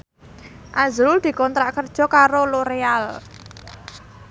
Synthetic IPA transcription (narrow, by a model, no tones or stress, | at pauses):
ʔazɾʊld̪̥i̤kɔnt̪ɾaʔkərd̥ʒ̥ɔ̤kaɾoloɾeal